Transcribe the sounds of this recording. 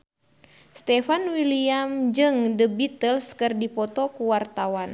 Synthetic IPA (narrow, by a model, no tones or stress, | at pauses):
st̪ɛfanwiliamd͡ʒɨŋdəbit̪əlskərdipɔt̪ɔkuwart̪awan